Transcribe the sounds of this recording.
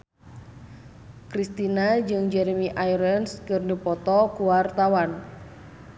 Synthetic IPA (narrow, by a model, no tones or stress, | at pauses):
kɾist̪inad͡ʒɨŋd͡ʒɛɾɛmiʔajɾɛnskɨrdipɔt̪ɔkuwart̪awan